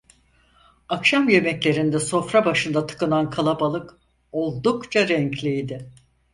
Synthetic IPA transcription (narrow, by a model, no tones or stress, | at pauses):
akʃamje̞mɛclʲe̞ɾind̪ɛso̞fɾabaʃɯnd̪at̪ʰɯ̥kɯnankʰalˠabalˠɯk | o̞lˠd̪ukt͡ʃʰaɾɛɲclʲijd̪ɪ